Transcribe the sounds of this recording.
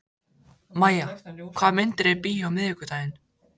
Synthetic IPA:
majːakʰvaːmɪnt̪ɾɛpiːjawmɪðɪkʏt̪ajɪn

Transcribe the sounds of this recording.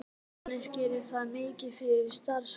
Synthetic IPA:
nɪscɪɾɪ̥θaðmɪːcɪfɪɾɪɾst̪aɾs

